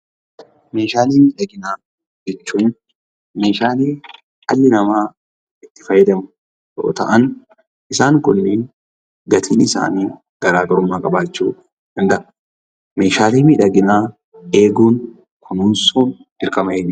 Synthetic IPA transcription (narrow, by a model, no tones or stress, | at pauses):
me̞ːʃaːleːmiːᶑɐɡɪnaː | d͡ʒɛt͡ʃːuːn | me̞ːʃaːleː | ɐlːɪnɐmaː | ɪt̪ːɪfɐjːɛd̪ɐmʊ | jo̰ːt̪ɐ̰ʔɐn | ʔɪsaːŋkʊnːɪ | ɡɐt̪ʰḭːnɪsa̰ːniː | ɡ̥ɐɾaːɡɐɾʊmːaːkʼɐbaːt͡ʃːuː | d̪̥ɐnd̪ɐʔɐ | me̞ːʃaːleːmiːᶑɐɡɪnaː | e̞ːɡuːn | kʰʊnuːnsuːn | ɪɾkɐmɐn